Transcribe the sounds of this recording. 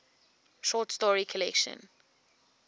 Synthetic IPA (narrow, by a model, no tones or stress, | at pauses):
ʃɔtstɔɹikʰəlɛkʃə̰̃n